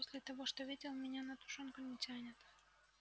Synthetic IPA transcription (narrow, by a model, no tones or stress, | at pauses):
posʲlʲɪt̪ɐvo̞ʂt̪ovʲidʲɪlˠmʲɪnʲanɐt̪ʊ̥ʂonkʊnʲɪtʲanʲɪt̪